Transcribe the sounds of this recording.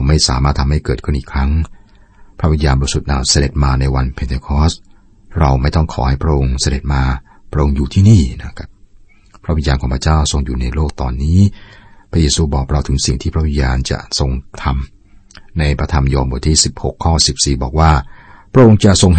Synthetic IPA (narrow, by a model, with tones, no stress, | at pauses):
wma˥˩jsaː˨˦maː˥˩t̪ʰːa˧mha˥˩jkɤː˨˩t̪̚kʰɯ˥˩nʔiː˨˩kʰɾa˦˥ŋ | pʰɾa˦˥wi˧njaː˧nbɔː˧su˨˩t̪̚ʔaː˨˩wsa˧de˨˩t̪̚maː˧na˧jwa˧npʰe˧nt̪ʰeː˧kʰɔː˦˥s | ɾa˧wma˥˩jt̪ɔ˥˩ŋkʰɔ̰ː˩˦ha˥˩pʰɾa˦˥ʔo˧ŋsa˧de˨˩t̪̚maː˧ | pʰɾa˥ʔo˧ŋjuː˨˩t̪ʰiː˥˩niː˥˩na˦˥˩kʰa˦˥p̚ | pʰɾa˦˥wi˧njaː˧nkʰɔː˩˦pʰa˧t͡ɕaː˥˩wso˧ŋjuː˨˩na˧jloː˥˩k̚t̪ɔː˧nːiː˦˥pʰɾa˦˥jeː˧suː˧bɔː˨˩k̚ɾa˧wt̪ʰɯ˩˦ŋsḭ˨˩ŋt̪ʰiː˥˩pʰɾa˦˥wi˧njaː˧nt͡ɕa̰˨˩so˧ŋt̪ʰa˧m | na˧jpʰɾa˧t̪ʰa˧mjɔː˧mbu˨˩t̪ʰiː˥˩si˨˩p̚ho˨˩kʰːɔː˥˩si˨˩p̚siː˨˩bɔ̰ː˨˩k̚waː˥˩pʰɾa˥ʔo˧ŋt͡ɕa˨˩ʔso˧ŋɦ